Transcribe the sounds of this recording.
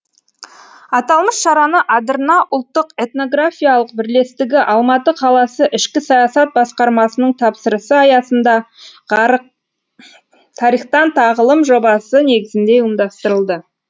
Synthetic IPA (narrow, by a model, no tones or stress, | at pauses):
ɑt̪ɑlˠməsʃɑɾɑnəʔɑd̪əɾənɑʔʊlˠt̪ːəqe̞t̪no̞ɡɾafʲijalˠəq̚bɪɾle̞st̪ɪɡʲɪʔɑlˠmɑt̪əqʰɑlˠɑsəʔɪʃkʲɪsɑjɑsɑt̪̚bɑsqɑɾmɑsənəɴt̪ʰɑpsəɾəsəɑjɑsənd̪ɑ | t̪ʰɑɾijχt̪ɑnt̪ʰɑʁəlˠəmʒo̞bɑsəne̞ɡʲɪzɪnd̪e̞əmd̪ɑst̪əɾəlˠd̪ə